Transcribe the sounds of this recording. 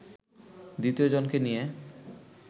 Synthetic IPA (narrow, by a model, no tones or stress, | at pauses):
d̪it̪iod͡ʑonkenije